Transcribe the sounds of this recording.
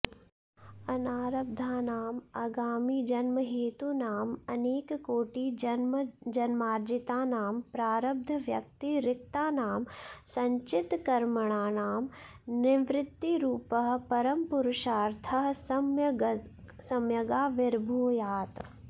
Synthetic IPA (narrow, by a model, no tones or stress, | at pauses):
ɐnaːɾɐb̚d̪ʱaːnaːmaɡaːmiːd͡ʒɐnmɐɦeːt̪unaːmɐneːkkoːʈimd͡ʒɐnmaːɾd͡ʒit̪aːnaːmpɾaːɾɐb̚d̪ʱɐʋjɐk̚t̪iɾɪk̚t̪aːnaːmsɐɲt͡ʃɪt̪kɐɾmɐɳ̃aːnaːm | nɪʋɾɪt̪ːiɾuːpɐɦpɐɾɐmpʊɾʊʃaːɾt̪ʰɐɦsɐmjɡ | sɐmjɐɡaːʋɪɾbʱoːjaːt̪